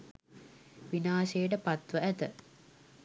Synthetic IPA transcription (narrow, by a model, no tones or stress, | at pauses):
ʋinaːʃejəʈ̬əpat̪ʋəæt̪ə